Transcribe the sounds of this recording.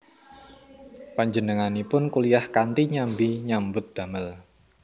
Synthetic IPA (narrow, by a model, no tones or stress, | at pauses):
paɲd͡ʒənəŋanipʊnkulijahkant̪iɲambiɲambʊt̪̚d̪̥a̤məl